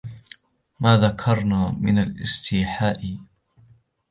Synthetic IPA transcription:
maːðakʰɑɾˤnaːmɪnalʔɪ̰st̪ʰiːħaːʔɪ

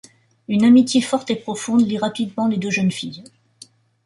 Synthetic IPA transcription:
ynamit̪jefɔʁt̪epχɔfɔ̃d̪liʁapid̪mɑ̃led̪øʒənfij

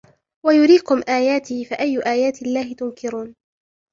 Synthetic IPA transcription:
wajʊɾiːkʊmʔaːjaːt̪iːfaʔajːʊʔaːjaːt̪ɪlːaːhɪt̪ʊmkʰɪɾuːn

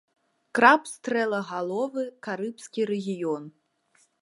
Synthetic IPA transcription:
kɾapst̪ɾɛlˠɐɣalˠɔvɨkaɾɨpsʲkʲiɾɛɣʲijɔn

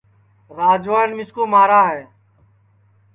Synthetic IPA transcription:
ɾaːd͡ʒʋaːnmɪskoːmaːɾaːɦɛː

